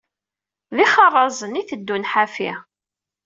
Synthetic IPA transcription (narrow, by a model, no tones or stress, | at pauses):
ðiχɑrˤːɑzˤəniθəd̪ːunħafi